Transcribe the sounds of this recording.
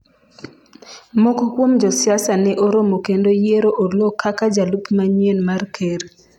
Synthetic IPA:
mokokwomd͡ʒɔsɪasanɛʔoɾomokendojeɾoʔolokʰːakad͡ʒalupmaɲienmarkʰeɾ

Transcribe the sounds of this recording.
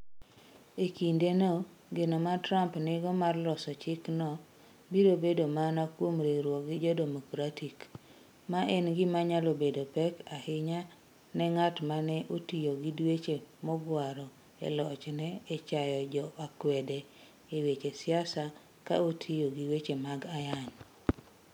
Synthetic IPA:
ekindeno | ɡenomatɾampnɪɡɔmarlɔsɔt͡ʃɪknɔ | biɾobedomanakwomɾeɾwɔɡɪd͡ʒɔdɛmɔkɾatik | maʔɛnɡɪmaɲalobedopɛkahɪɲa | nɛŋatmanɛʔotijoɡidwet͡ʃemɔɡwaɾɔ | ḛlɔt͡ʃnɛːt͡ʃajɔd͡ʒɔʔakwɛdɛ | ewet͡ʃesɪasa | ka̰otʰijoɡiwet͡ʃemaɡajaɲ

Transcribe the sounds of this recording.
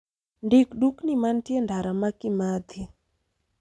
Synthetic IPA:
ɳdikɗuknimantijendʱaɾamakimad̪ʱi

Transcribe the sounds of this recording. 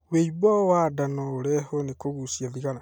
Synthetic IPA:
weiβwawadanɔːɾɛhonekoɣusjaðiɣana

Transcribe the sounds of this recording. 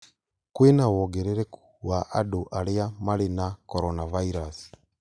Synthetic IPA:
kwenawɔɡɛɾɛɾɛku | waʔaɗoʔaleamalenakɔɾɔnavaiɾasi̥

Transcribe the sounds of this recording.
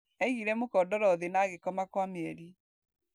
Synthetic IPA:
ɛiɣiɾɛmokɔdɔɾɔðenaɣekɔmakwameɛɾi

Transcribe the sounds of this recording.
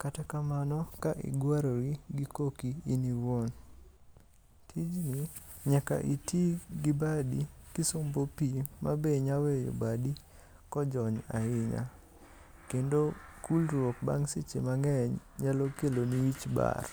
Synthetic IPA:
katakamanɔkaʔḭɡwaɾoɾiɡikokiiniwon | tʰid͡ʒniɲaka̰ʔitiɡɪbadikɪsombopimabeɲawɛjo̰badi | kɔd͡ʒɔɲa̰ɪɲa̰ | kendokulɾwokba̰ŋset͡ʃḛmaŋɛɲɲalɔkeloniit͡ʃba̰r

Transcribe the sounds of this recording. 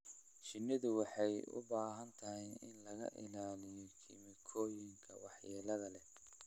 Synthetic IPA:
t͡ʃɪnːɪðʊwɑħɑjʊ̰baːɦɐnt̪ʰɐɦɛɪnlɐɣɐ̰ʔɪlaːlɪjɔkʰḭmɪkʰɔːjɪŋkʰɐ̰wɑħjɛːlɐðɐlɛ

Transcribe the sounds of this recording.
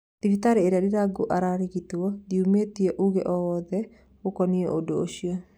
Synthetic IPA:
tifitaɾeːɾadiɾaɡoʔaɾaɾiɡituɔdiumet̪ieʔuɣeʔɔwɔðɛ | okɔnieʔodoːʃia

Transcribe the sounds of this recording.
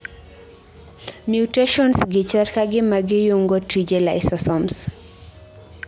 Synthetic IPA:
mjuteʃɔnsɡɪt͡ʃɛrkaɡɪmaɡɪjuŋɡotid͡ʒelaɪsɔsɔms

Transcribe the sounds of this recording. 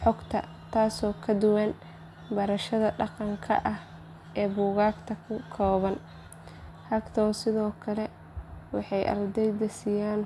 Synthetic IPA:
ħɔɡt̪ʰɐ̰ | t̪ʰaːsɔːkʰɐd̪ʊwɐn | bɐɾɐʃɐðɐɖɑqɑŋkʰɐ̰ʔɐh | ʔɛːbuːɣaːɡt̪ʰɐkʰʊkʰɔːβɐn | hɐɡt̪ʰɔːsɪðɔːkʰɐlɛ | wɑħɑjʔɐ̰rd̪ɛjd̪ɐsijaːn

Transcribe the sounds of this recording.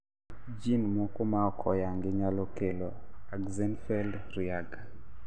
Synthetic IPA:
d͡ʒinmɔkomaɔkʰɔjaŋɡɪɲalɔkeloaɡzɛnfɛldɾjaɡa

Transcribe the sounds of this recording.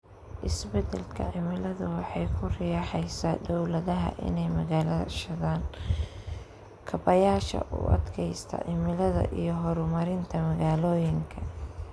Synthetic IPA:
ʔɪsbɛd̪ɛlkʰɐ̰ʕɪmɪlɐðʊwɑħɑjkʰʊrɪjɑːħɛjsaːd̪ɔwlɐðɐɦɐ̰ʔɪ̰nɛjmɐɣaːlɐðɐ̰ʃɐðaːn | kʰɐbɐjaːʃɐ̰ʔʊ̰ːʔɐ̰d̪kʰɛjst̪ʰɐ̰ʕɪmɪlɐðɐ̰ʔijɞɦɔɾʊmɐɾɪnt̪ʰɐmɐɣaːlɔːjɪŋkʰɐ

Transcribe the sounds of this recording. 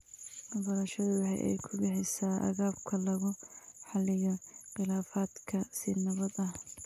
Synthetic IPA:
mɐbɐɾɐʃɔðwɑħɑ̰jʔɛ̰jkʰʊɡɛħɪsaːʔɐ̰ɣaːbkʰɐlɐɣʊħɑlɪjɔqɪlaːfaːd̪kʰɐsɪnɐβɐd̪ɐh

